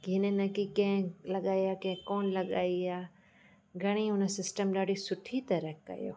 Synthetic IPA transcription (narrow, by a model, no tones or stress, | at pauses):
ɡʱinenɐkikɐ̃ɦɪ̃lɐɠaːiaːkɐ̃ɦkoːnlɐɠa̰ːiaː | ɡʱɐɽ̃iʊnəsɪsʈəmɗaːɽisʊʈʰit̪ɐɾəkkɐ̰jo̰ː